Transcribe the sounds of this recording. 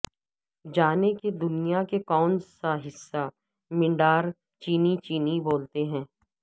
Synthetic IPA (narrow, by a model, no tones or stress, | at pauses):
d͡ʒaːneked̪ʊnijakekɔːnsaɦɪsːa | mɪ̃ɳɖaːɾ | t͡ʃiːnit͡ʃiːniboːlt̪eɦɛ̃ː